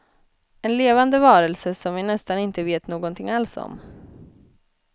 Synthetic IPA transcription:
ɛnleːvand̪əvɑːɾəlsəsɔmvɪnɛst̪anɪnt̪əveːt̪noːɡɔnt̪ʰɪŋalsɔ̰m

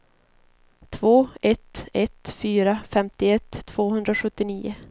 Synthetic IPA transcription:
t̪ʰvoːɛt̪ɛt̪fyːɾafɛmt̪ɪɛt̪ʰːv̥oːhɵnd̪ɾaɧɵt̪ːɪniːʊ

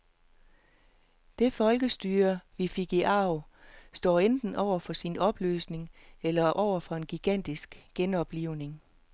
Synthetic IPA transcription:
d̥e̝fɒ̽lɡ̥əsd̥yːɐʋifiɡ̥iʔɑ̈ʊ | sd̥ɒ̰ːend̥n̩ʔɒʊ̰ɐfɒ̽sinɒ̽b̥lø̰ːsne̝ŋelɐʔɒʊ̰ɐfɒ̽e̝nɡ̥iɡ̥æn̰d̥isɡ̥ɡ̥enɒ̽b̥liʊne̝ŋ

